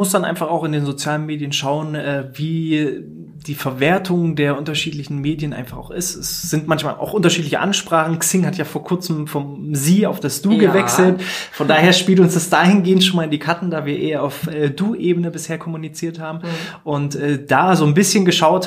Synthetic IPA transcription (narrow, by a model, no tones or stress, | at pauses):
mʊsd̥anʔa̰ɪnfaχaʊxɪndeːnzot͡sjaːlənmeːdjənʃaʊənʔɛːviː | d̥iːfɛɐveːɐtʰʊŋdeːɐʔʊntɐʃiːtlɪçn̩meːdjənʔa̰ɪnfaχaʊxɪstɛsz̥ɪntmançma̰ːlʔa̰ʊxʔʊntɐʃiːtlɪçəʔa̰nʃpʁ̥aːχn̩ksɪŋhatjaːfoːɐkʰʊɐt͡səmfɔmziːa̰ʊfd̥asd̥uːɡəvɛksl̩tfɔndaːheːɐʃpiːltʊnsd̥asd̥aːhɪnɡeːəntʃoːnmalɪndiːkʰatn̩daːviːɐʔeːɐaʊfʔɛːduːʔeːbənəbɪsheːɐkʰɔmunit͡siːɐthaːbm̩ʔʊntʔɛːd̥aːzoːnbɪsçənɡəʃaʊt